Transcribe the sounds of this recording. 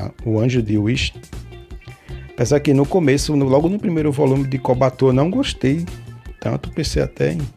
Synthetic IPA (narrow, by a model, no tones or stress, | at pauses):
ʊɐ̃ʒʊd̪ɪuiʃ | pẽsakɪnʊkõmesʊnʊlɔɡʊnʊpɾimejɾʊvɔlũmɪd̪ɪkobat̪onɐ̃w̃ɡoʃt̪ejt̪ɐ̰̃nt̪ʊpẽseja̰t̪ɛ̰ĩ